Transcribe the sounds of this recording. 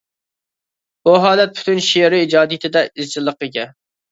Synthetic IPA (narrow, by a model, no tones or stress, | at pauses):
b̥uɦɑːlˠɛt̪̚pʰy̥t̪ʰynʃeɾɪid͡ʒɑːd̪ijɪt̪ʰɪd̪ɛizd͡ʒɪlˠːəqɨɡʲɛ